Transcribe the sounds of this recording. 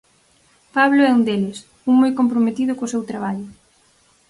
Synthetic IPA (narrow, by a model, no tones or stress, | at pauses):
paβloɛund̪elɪs | uŋmojkompɾomet̪iðʊkosewt̪ɾaβ̞aʎʊ